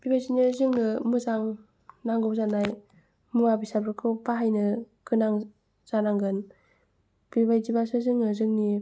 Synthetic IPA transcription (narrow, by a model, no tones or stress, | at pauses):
b̥ibajzinazɯŋnɯmɯzaŋ | naŋɡɯwzanaj | mɯŋabisabɾɯkʰɯbaɦajnɯkɯnaŋ | z̥anaŋɡɯn | b̥ibajzibasɯzɯŋnɯzɯŋni